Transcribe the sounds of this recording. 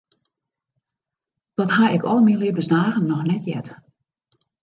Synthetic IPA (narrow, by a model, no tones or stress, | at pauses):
d̥ɔtɦaɪkʰɔ̰lˠmiliəbənsdaːɣənːɔxnɛtʰjɛ̰t